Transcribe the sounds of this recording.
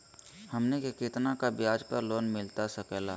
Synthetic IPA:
hɐmnekekɪt̪nakabjaːd͡ʒpəɾloːnmɪlt̪asɐkɛːlaː

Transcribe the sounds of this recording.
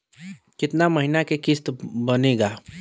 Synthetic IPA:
kɪt̪namɐɦɪnakekɪst̪bɐneːɡaː

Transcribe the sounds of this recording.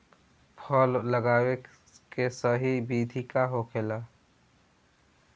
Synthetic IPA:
pʰɔːlːəɡaːwe | kesəɦibiːd̪ʱikaɦoːkʰeːlaː

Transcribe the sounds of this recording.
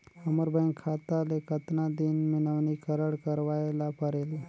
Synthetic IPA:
əməɾbə̃ŋkʰːat̪alekət̪nad̪inminəʋnikəɾəɽkəɾʋajlapəɾel

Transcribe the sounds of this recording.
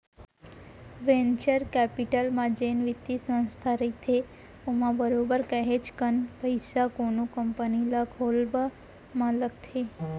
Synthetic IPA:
ʋent͡ʃəɾkɛpiʈəlmãd͡ʒenʋit̪isə̃ñst̪ʰaɾət̪ʰe | omãbəɾobəɾkəɦet͡ʃkənpəjsakonukəmpənilakʰolbə | mãləkt̪ʰe

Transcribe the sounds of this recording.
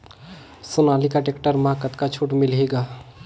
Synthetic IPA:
sʊnaːlikaʈekʈəɾmakət̪kat͡ʃʰuʈmɪlɦeɡa

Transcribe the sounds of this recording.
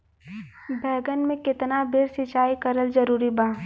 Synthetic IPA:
bʱɛːɡənmẽkɪt̪nabʱɪɾsɪt͡ʃaːikəɾəlzɐɾuːɾibaː

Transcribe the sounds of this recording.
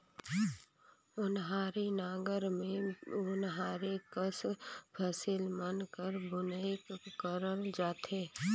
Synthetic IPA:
ʊnɦaːɾinaːɡəɾmẽʊnɦaːɾekəspʰəsɪlmənkəɾbʊnəikkəɾəld͡ʒaːt̪eː

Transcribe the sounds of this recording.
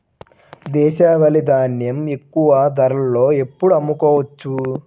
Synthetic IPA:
d̪ɛːʃaːʋɐlid̪aːnjɐme̞kːuʋɐd̪ɐɾɐlːo̞ːe̞pːuɽɐmːukɔːʋɐt͡ʃːu

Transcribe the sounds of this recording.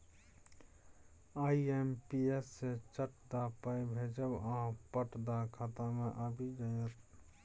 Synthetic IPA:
aːiempiesːet͡ʃəʈd̪apəjbʱed͡ʒəbãpəʈd̪akʰat̪amẽʔəbʱid͡ʒəjɾ

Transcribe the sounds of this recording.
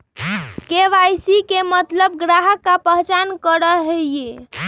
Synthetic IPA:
keʋajsikemət̪ləb̚ɡɾaɦəkːapəɦt͡ʃankəɾəɦeje

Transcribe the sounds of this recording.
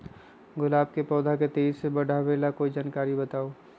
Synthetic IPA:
ɡʊlaːbkepɔːd̪ʱaket̪eːd͡ʒsebɐɖʱaʋeːlakoːid͡ʒaːnkaːɾibɐt̪aːoː

